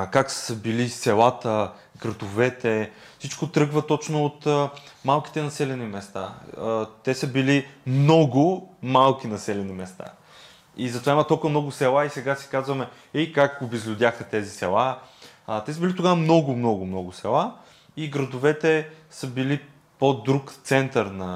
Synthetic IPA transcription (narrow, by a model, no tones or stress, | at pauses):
kakssəbilisɛlˠat̪ə | ɡɾɐd̪ʊvɛt̪ɛ | fsit͡ʃkot̪ɾɤɡvət̪ɔt͡ʃnoːt̪əmalˠki̥t̪ɛnɐsɛlɛnimɛst̪a̰ | t̪ɛsəbilimnɔɡʊmalˠk̟inɐsɛlʲɛnimɛst̪a̰ | izɐt̪ovaimɐət̪olˠkuvəmnɔɡʊsɛlˠaisɛɡasɛ̥kazvɐmɛ | ɛikakɡobizlʲʊd̪ʲjaxət̪ɛzisɛ̰lˠa | t̪ɛsəbilit̪oɡavmnɔɡʊmnɔɡʊmnɔɡʊsɛlˠa | iɡɾɐd̪ʊvɛt̪ɛsəbili | pod̪ɾukt̪sɛnt̪əɾnɐ